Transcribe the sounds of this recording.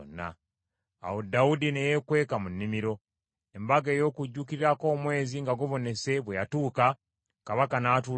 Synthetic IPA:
nːa̰ | a̰wodaudinejekwe̞ːkamunːimiɾo̞ | embaɡe̞ːjo̞ːkuɟːukiɾiɾako̞ːmwe̞ːziŋɡaɡoβo̞ne̞se̞βwejatuːka | kaβakanaːtu

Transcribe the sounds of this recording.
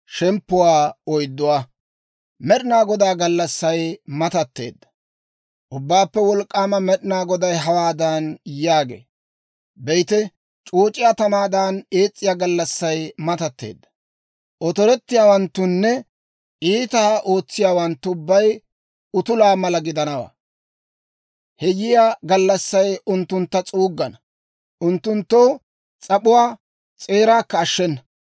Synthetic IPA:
ʃɛmpːʊwaːɔjd̪ːʊwaː | mɛɗɪnaːɡɔd̪aːɡɐlːɐsːɐjmɐt̪ɐt̪ːe̞̰ːd̪ːɐ̥ | ʔʊbːaːpːɛwɔlkʼːaːmɐmɛɗɪnaːɡɔd̪ɐjɦɐwaːd̪aːnjaːɡḛː | bɛjt̪ɛ | t͡ʃʼoːt͡ʃʼɪjaːt̪ɐmaːd̪aːneːt͡sʼːɪjaːɡɐlːɐsːɐjmɐt̪ɐt̪ːḛːd̪ːɐ̥ | ʔɔt̪ɔɾɛt̪ːɪjaːwɐnt̪ːʊnːɛ | iːt̪aʔo̞ːt͡sːɪjaːwɐnt̪ːʊʊbːɐj | ʊt̪ʊlaːmɐlɐɡɪd̪ɐnɐwa̰ː | hɛjɪjaːɡɐlːɐsːɐjʊnt̪ːʊnt̪ːɐt͡sʼuːɡːɐnɐ | ʔʊnt̪ːʊnt̪ːoː | t͡sʼɐpʊwaː | t͡sʼe̞ːɾaːkːɐːʃːɛnːɐ

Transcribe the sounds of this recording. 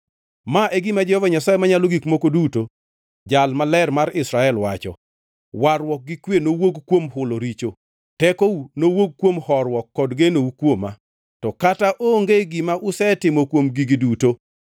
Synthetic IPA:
maʔeɡimad͡ʒɛhɔvaɲasaemaɲaloɡikmokoduto | d͡ʒalmalɛrmaɾɪsɾaɛlwa̰t͡ʃɔ̰ | waɾwɔk̚ɡɪkwenowoɡkwomɦʊloɾit͡ʃo | tɛkounowoɡ̚kːwomhɔrwɔkːɔdɡenoukwoma̰ | tɔkataʔoŋɡeɡimaʔʊsɛtɪmokwomɡiɡiduto

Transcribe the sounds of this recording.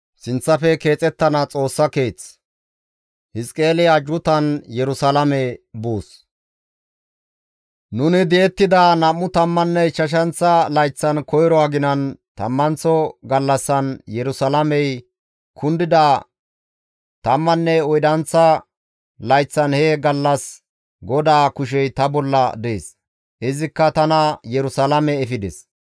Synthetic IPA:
sɪnt͡sːɐfɛke̞ːt͡sʼɛt̪ːɐnɐt͡sʼo̞ːsːɐke̞ːt͡s | hɪskʼeːlɪɐd͡ʒʊt̪ɐnjɛɾʊsɐlɐmɛbuːs | nʊnɪd̪ɛɛt̪ːɪd̪ɐnɐmːʊt̪ɐmːɐnːɛʃɐʃ̬ɐnt͡sːɐlɐjt͡sːɐnkɔjɾɔaɡɪnɐnt̪ɐ̰mːɐnt͡sɔɡɐlːɐsːɐnjɛɾʊsɐlɐmɛj | kʰʊnd̪ɪd̪aː | t̪ɐmːɐnːɛɔjd̪ɐnt͡sːɐ | lɐjt͡sːɐnhɛɡɐlːɐs | ɡɔd̪aːkʊʃ̬ɛjt̪ɐbɔlːɐ̰d̪eːs | ʔɪzɪkːɐt̪ɐnɐjɛɾʊsɐlamɛːfɪd̪ɛs

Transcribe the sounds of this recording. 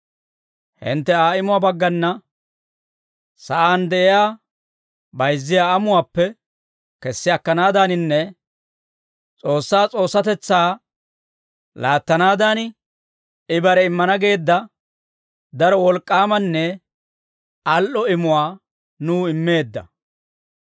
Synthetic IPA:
hɪ̰nt̪ːɛaːɪmʊwaːbɐɡːɐnːɐ | sɐʔaːnd̪ɛʔɪjaː | bɐjzːɪjaːɐmʊwaːpːɛ | kɛsːɪɐkːɐnaːd̪anɪnːɛ | t͡sʼo̞ːsːaːt͡sʼo̞ːsːɐt̪ɛt͡sːaː | laːt̪ːɐnaːd̪an | ɪbɐɾɛɪmːɐnɐɡe̞ːd̪ːɐ | d̪ɐɾɔwɔlkʼːaːmɐnːɛ | ɐlʔɔɪmʊwaː | nuːɪmːe̞ːd̪ːɐ̰

